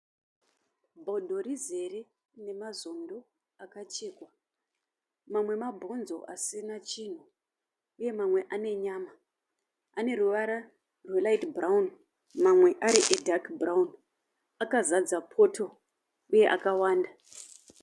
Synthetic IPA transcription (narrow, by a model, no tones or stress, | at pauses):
bʱodʱo̞rize̞re | ne̞mazo̞ndo̞ | akat͡ʃe̞ːkwa | mamwe̞mabʱo̞nzo̞̰ʔasinat͡ʃiːn̤u | uje̞mamwe̞ʔane̞ɲaːma | ane̞ruʋaɾa | rwelaitbraun | mamwe̞ʔaɾiʔedʱakbraun | akazad͡zapʰo̞tʰo̞ | uje̞ʔakawaːnda